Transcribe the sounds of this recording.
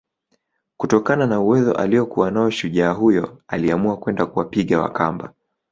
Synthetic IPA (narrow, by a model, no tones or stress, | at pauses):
kutɔkananauwɛzɔ̰ʔa̰liɔkuwanaɔʃuʄaːɦujɔaliamuakwɛndakuwapiɠawa̰kamba̰